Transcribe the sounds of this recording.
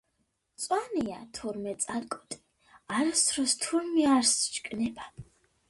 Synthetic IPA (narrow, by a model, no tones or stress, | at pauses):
t͡sʼwanija̰t̪ʰuɾmɛt͡s̪ʼalkʼɔt̪ʼi̥ | aɾasʰrɔst̪ʰuɾmiaɾst͡ʃkʼnɛba